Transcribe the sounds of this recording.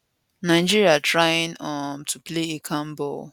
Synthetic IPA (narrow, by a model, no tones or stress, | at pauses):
naɪd͡ʒiɹiatʰɹajɪ̃nɔmtʰupleekʰãmbɔ̰l